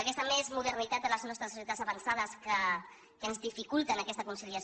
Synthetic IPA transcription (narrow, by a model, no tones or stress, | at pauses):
akɛst̪əmezmuðərnit̪at̪̚ələznɔst̪ɾəsusjet̪adzəβənsaðəskə | kəənzðifikulˠt̪ənəkɛst̪əkunsiliəs